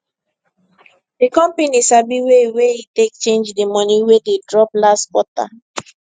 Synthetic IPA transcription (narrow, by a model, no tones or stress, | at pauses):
dekɔ̃mpenisabiweweitek̚t͡ʃẽnd͡ʒdemɔniwededɹɔplaswɔta̰